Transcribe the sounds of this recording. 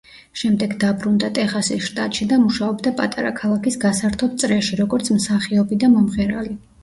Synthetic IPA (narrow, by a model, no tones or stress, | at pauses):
ʃɛmd̪ɛɡd̪abɾund̪at̪ʼɛχasisʃt̪ʼat̪ʼʃid̪amuʃaɔbd̪apʼa̰t̪ʼaɾa̰kʰalˠakisɡasaɾt̪ʰɔt̪̚t̪sʼɾɛʃiɾɔɡɔɾt̪sʰmsaχiɔbid̪amɔmʁɛɾali